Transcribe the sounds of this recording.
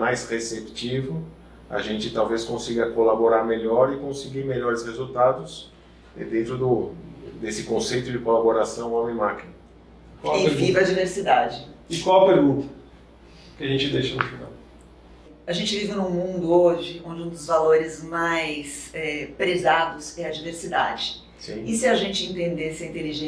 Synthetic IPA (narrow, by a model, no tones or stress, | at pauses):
majsʁesept͡ʃivʊ | a̰ʒẽnt͡ʃɪt̪awveskõsiɡɐkolaboɾaɾmeʎɔɾɪkõsɪɡiɾmeʎɔɾɪshezuwt̪ad̪ʊs | ɛd̪ẽnt̪ɾʊd̪ʊd̪esɪkõsejt̪ʊd͡ʒɪkolaboɾasɐ̃w̃õmẽj̃makinɐ | kwawɪpeɾɡivɐd͡ʒiveɾsid̪ad͡ʒɪɪkwawɐpeɾɡũnt̪ɐ | kɪɐʒẽnt͡ʃɪd̪ejʃɐnʊfina̰w | aʒẽnt͡ʃɪvivɪnũmũnd̪ʊoʒɪõd͡ʒɪũd̪ʊzvaloɾɪzmajsɛpɾezad̪ʊsɛɐd͡ʒiveɾsid̪a̰d͡ʒɪ | sĩɪsɪaʒẽnt͡ʃɪĩnt̪ẽnd̪esɪɐĩnt̪eliʒẽ